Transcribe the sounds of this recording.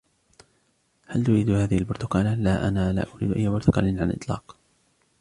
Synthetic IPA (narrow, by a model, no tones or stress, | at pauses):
halt̪ʊɾiːd̪haːðɪhɪlbʊɾt̪ʊ̥kaːllaʔa̰naːla̰ːʔʊɾḭːd̪ʔajːabʊɾt̪ʊkɑ̰ːlɪnʕanlʔɪ̰t̪ˤlɑ̰ːq